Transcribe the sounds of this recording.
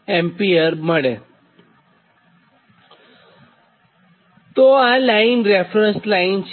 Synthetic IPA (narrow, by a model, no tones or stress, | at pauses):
empiəɾməɽe | t̪oalainɾefɾənslaint͡ɕ